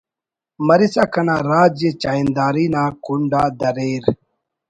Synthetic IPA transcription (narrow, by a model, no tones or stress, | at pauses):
mɐɾisakɐnaːɾaːd͡ʑet͡ɕaːind̪aːɾinaːkuɳɖaːd̪ɐɾeːɾ